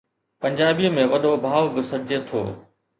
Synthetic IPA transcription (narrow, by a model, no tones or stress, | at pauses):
pɐ̃ɲd͡ʑaːbijəmẽʋɐɗobʱaːʋbɪsɐd͡ʑet̪ʰo̰ː